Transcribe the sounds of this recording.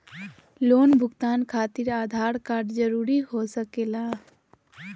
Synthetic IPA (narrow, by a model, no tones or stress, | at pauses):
loːnbʱʊɡt̪aːnkʰat̪iɾaːd̪ʱaɾkaɖd͡ʒəɾuɾiɦosəkela